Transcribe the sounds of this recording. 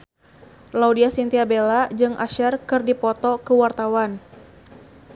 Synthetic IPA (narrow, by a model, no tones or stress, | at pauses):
laudiasint̪iabelad͡ʒɨŋʔaʃɛrkɨrdipɔt̪ɔkəwart̪awan